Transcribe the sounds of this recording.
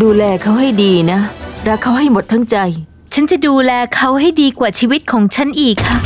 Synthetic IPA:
duː˧lɛː˧kʰa˦˥wɦa˥˩jdiː˧na˦˥ɾa˦˥kʰːa˦˥wɦa˥˩jmo˨˩t̪ʰːa˦˥˩ŋt͡ɕa˧j | t͡ɕʰa˦˥nt͡ɕa˨˩duː˧lɛː˧kʰa˦˥wɦa˥˩jdiː˧kwaː˨˩t͡ɕʰiː˧wi˦˥t̪̚kʰɔː˩˦ŋt͡ɕʰa˦˥nʔiː˨˩kʰːa˦˥˩

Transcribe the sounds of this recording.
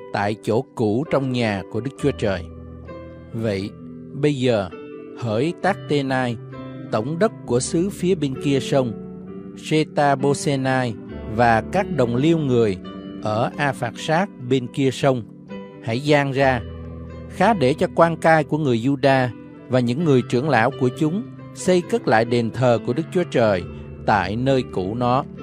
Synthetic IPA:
t̪a̰ː˧˨jt͡ɕo˧˩ku˧˩t͡ɕɔ˧wŋ͡mɲaː˨˩ku˧˩əɗɨ˦˥k̚t͡ɕu˨˦ət͡ɕəː˨˩j | və̰˧˨j | ɓə˧jzəː˨˩ | həː˧˩jt̪aː˦˥k̚t̪e˧naː˧j | t̪ə˧˩wŋ͡mɗə˦˥t̚ku˧˩əsɨ˨˦fi˨˦əɓe˧nki˧əsə˧wŋ͡m | se˧t̪aː˧ɓo˧se˧naː˧jvaː˨˩kaː˦˥k̚ɗə˨˩wŋ͡mli˧əwŋɨ˨˩əjʔəː˧˩ʔaː˧faː˨˩k̚saː˦˥k̚ɓe˧nki˧əsə˧wŋ͡m | ha̰˧˩˨jzaː˧ŋzaː˧ | xaː˨˦ɗe˧˩t͡ɕɔ˧kwaː˧nkaː˧jku˧˩əŋɨ˨˩əjzu˧ɗaː˧ | vaː˨˩ɲɨ̰˧˥ŋːɨ˨˩əjt͡ɕɨ˧˩əŋla̰ː˧˥wku˧˩ət͡ɕʊ˨˦ŋ͡m | sə˧jkə˦˥t̚la̰ː˧˨jɗe˨˩nt̪ʰəː˨˩ku˧˩əɗɨ˦˥k̚t͡ɕu˨˦ət͡ɕəː˨˩j | t̪a̰ː˧˨jnəː˧jkṵ˧˩nɔ˨˦

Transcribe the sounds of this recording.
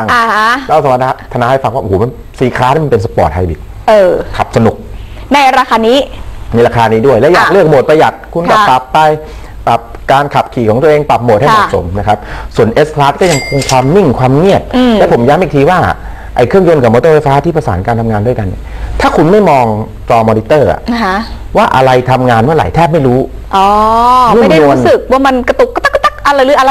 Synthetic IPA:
ŋa˧h̪ʰa˥˩sa˨˦m˦a˧˩a˦˥t̪ʰa˧na˦˧˥ha˥˩jfa˧ŋwaː˥˩ʔːma˧n | siː˨˩˦kʰaː˦˥na˥˩ma˧npe˧nsa˧pɔː˨˩t̪̚ha˧jbi˨˩k̚ | ʔɤː˧˩kʰa̰˨˩p̚sa˧nu˨˩k̚ | na˧jɾaː˧kʰaː˧niː˦˥na˧jɾaː˧kʰaː˧niː˦˥du˥˩əjlɛ˦˥jaː˨˩k̚lɯ˥˩ək̚moː˨˩t̪̚pɾa˧ja˨˩t̪̚kʰu˧nkɔ˥˩pa˨˩pːa˧j | pa˨˩p̚kaː˧nkʰa˨˩p̚kʰiː˨˩kʰɔː˩˦ŋt̪u˧əʔeː˧ŋpa˨˩p̚mo˨˩ha˥˩jm˧ɔ˨˧˨tso̰˩˦mna˦˥kʰa˦˥p̚su˩˦ənʔe˦˥skʰlaː˦˥t̪̚kɔ˥˩ja˧ŋkʰo˧ŋkʰwaː˧mːi˥˩ŋkʰwaː˧mŋi˥˩ət̪̚ːɛ˦˥pʰo˩˦mjaː˦˥mʔiː˨˩kt̪ʰiː˧waː˥˩ | ʔa˧jkʰɯ˥˩əŋjo˧nkʰa˨˩moː˧t̪ɤː˥˩fa˧jfaː˦˥t̪ʰiː˥˩pʰɾa˧sa̰ː˩˦nkaː˧nt̪ʰa˧mŋaː˧ndu˥˩əjka˧nːḭ˨˩t̪ʰaː˥˩kʰu˧nma˥˩jmɔː˧ŋ | t͡ɕɔː˧mɔː˧ni˦˥t̪ɤː˥˩ʔa̰˩a˦˥ | waː˥˩ʔa̰˧ɾa˧jt̪ʰa˧mŋaː˧nmɯ˥˩ɐɾa̰˩jt̪ʰɛː˥˩p̚ma˥˩jɾuː˦˥ | ʔɔː˨˩ŋɯ˥˩a˩˨˩da˨u˨˧ə˦nsɯ˨˩k̚waː˥˩ma˧nka˧t̪u˨˩kːt̪a˥˩kt̪a˥˩k̚ʔa˧la˧˩jlɯ˨˦˥ʔa˧a˧

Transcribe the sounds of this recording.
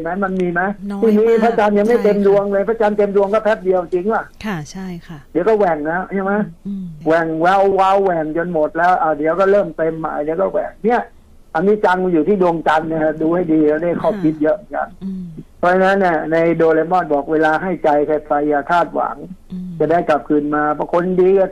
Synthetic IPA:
ma˦˥jma˧nmiː˧ma˦˥jt̪ʰiː˧˩ni˦˥˩pʰaː˦˥t͡ɕaː˧nja˧ŋma˥˩jt̪e˧mdu˧əŋlɤː˧jpʰa˦˥t͡ɕaː˧nt̪e˧mdu˧əŋkɔː˥˩pʰɛ˦˥p̚di˧əwt͡ɕi˧ŋa˧˩ | di˨˦wkɔː˥˩wɛ˨˩ŋlɛː˦˥wni˦˥˩ma˦˥jwɛ˨˩ŋwɛ˦˥wːa˦˥˩wːɛ˨˩ŋt͡ɕo˧nmo˨˩t̪̚lɛː˦˥wʔa˧˩wdi˨˦wkɔː˥˩ɾɤː˥˩mt̪e˧mːa̰ː˨˩˦di˨˦wkɔː˥˩wɛ̰˨˩ŋni˦˥˩ɐ | ʔa˧miː˧˥t͡ɕa˧ŋ˧juː˨˩t̪ʰiː˥˩du˧əŋt͡ɕa˧ŋni˧˩˦duː˧ha˥˩jdiː˧a˧˩daː˥˩jkʰɔː˥˩p̚kʰi˦˥t̪̚jɤ˦˥ʔmɯ˨˩ŋka̰˧˩npʰɔː˦˧˩t͡ɕʰa˧na˦˥nːi˧˩ɐna˧jdoː˧leː˧mɔː˥˩t̪̚bɔː˨˩k̚weː˧laː˧ɦa˥˩jt͡ɕa˧jkʰe˧˩t̚pa˧jaː˨˩t̪ʰaː˥˩t̪̚wa̰˩˦ŋt͡ɕa˨˩daː˥˩jka˨˩p̚kʰɯː˧nmaː˧bɔ˧˩kʰo˧ndiː˧˩

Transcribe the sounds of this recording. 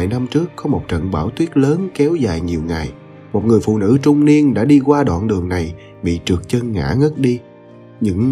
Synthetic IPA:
jna˧mt͡ɕɨ˦˥ək̚ːɔ˨˦mo˨˩t̚t͡ɕə̰˧˨nɓaː˧˩wt̪wi˦˥ət̚ləː˨˦nkɛ˨˦wzaː˨˩jɲi˨˩əwŋa˨˩j | mo˨˩t̚ŋɨ˨˩əjfṵ˧˨nɨ̰˧˥t͡ɕʊ˧ŋ͡mni˧ənɗa̰ː˧˥ɗi˧kwaː˧ɗwa̰ː˧˨nɗɨ˨˩əŋna˨˩j | ɓḭ˧˨t͡ɕɨ˨˩ək̚t͡ɕə˧nŋa̰ː˧˥ŋə˦˥t̚ɗi˧ | ɲɨ̰˧˥ŋ

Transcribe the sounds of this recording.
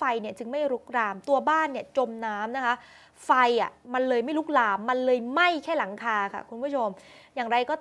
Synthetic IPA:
fa˧jni˥˩ɐt͡ɕɯ˧ŋma˥˩jɾu˦˥k̚ɾaː˧mt̪u˧ɐbaː˥˩nːi˥˩ɐt͡ɕo˧mnaː˦˥mna˦˥kʰa˦˥ʔ | fa˧jʔa˨˩ma˧nlɤː˧jma˥˩jɾu˦˥k̚laː˧mːa˧nlɤː˧jma˥˩jkʰɛː˥˩la˩˦ŋkʰaː˧kʰa̰˥˩kʰu˧npʰu˥˩o˧m | jaː˨˩ŋɾa˧jkɔː˥˩

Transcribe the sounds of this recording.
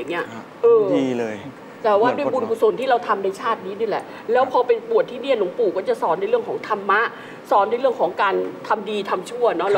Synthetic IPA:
ŋːi˦˥ɐ | ʔɤː˧i˧lɤː˧ | t̪ɛː˨˩waː˥˩du˥˩əjbu˧nkʰuː˨˩so˨˩nt̪ʰiː˥˩ɾa˧wt̪ʰa˧mna˧jt͡ɕʰaː˥˩t̪̚niː˦˥niː˧˥˩lɛ̰˨˩ | lɛː˦˥wpʰɔː˧pe˧npu˨˩ət̪ʰːiː˥˩ni˥˩ənlo˩˦ŋpuː˨˩kɔː˥˩t͡ɕa˨˩sɔː˦˥nda˧˥˦ɾɯ˥˩əŋkʰːŋt̪ʰa˧mːa˦˥ʔ | sɔː˨˦˥ndaː˥˩˨ɾɯ˥˩əŋkʰɔː˩˦ŋkaː˧nt̪ʰa˧mdiː˧t̪ʰa˧mt͡ɕʰu˥˩ɐnɔ˦˥la˧

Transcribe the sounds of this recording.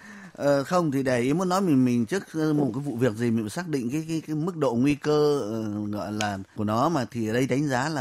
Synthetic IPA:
ʔəː˨˩xə˧wŋ͡mt̪ʰi˨˩ɗe˧˩ʔi˨˦əmo˨˦t̚nɔ˨˦jmï˨˩ŋ̟mï˨˩ŋ̟t͡ɕɨ˦˥ək̚ːmo˨˩kaː˨˦jvṵ˧˨vi˨˩ək̚zi˨˩mï˨˩saː˦˥k̚ɗḭ̈˧˨ŋ̟kaː˨˦jkaː˨˦jkaː˨˦mɨ˦˥k̚ɗo̰˧˨ŋwi˧kəː˧˨˩ɣɔ̰˧˨jlaː˨˩ku˧˩nɔ˨˦maː˨˩t̪ʰi˨˩ʔəː˧˩ɗə˧jɗa˨˦jŋ̟zaː˨˦laː˨˩

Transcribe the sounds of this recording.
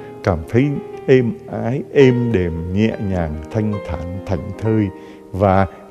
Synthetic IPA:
kaː˧˩mt̪ʰə˨˦jʔe˧mʔaː˨˦jʔe˧mɗe˨˩mɲɛ̰˧˨ɲaː˨˩ŋt̪ʰa˧jŋ̟t̪ʰaː˧˩ŋt̪ʰa˧˩jŋ̟t̪ʰəː˧j | vaː˨˩

